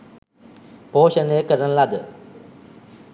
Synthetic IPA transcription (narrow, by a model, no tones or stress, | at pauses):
poːɕənekəɾənlad̪